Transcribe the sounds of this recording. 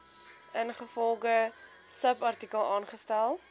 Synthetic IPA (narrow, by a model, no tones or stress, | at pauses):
ənχəfɔlˠχə | səpɐrtikəlˠɑːnχəstælˠ